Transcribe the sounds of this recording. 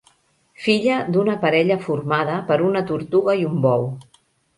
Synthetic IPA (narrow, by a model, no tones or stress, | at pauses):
fiʎəd̪unəpəɾɛʎəfurmað̞əpəɾunət̪uɾt̪uɣəjumbɔw